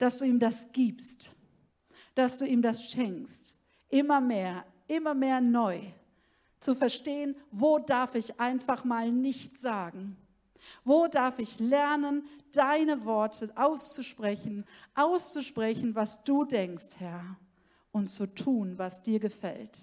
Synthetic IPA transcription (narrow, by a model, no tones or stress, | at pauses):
d̥asd̥uːiːmdasɡ̥iːpst | d̥asd̥uːiːmdasʃɛŋkst | ʔɪmɐmeːɐ | ʔɪmɐmeːɐnɔʏ | t͡sufɛɐʃteːənvoːdaɐfɪçʔaɪnfaχmaːlnɪçtz̥aːɡŋ̩ | voːdaɐfɪçlɛɐnənd̥aɪnəvɔɐtʰəʔaʊst͡suʃpʁ̥ɛçn̩ʔaʊst͡suʃpʁ̥ɛçn̩vasd̥uːdɛŋksthɛɐ | ʔʊntt͡sutʰuːnvasd̥iːɐɡəfɛ̰lt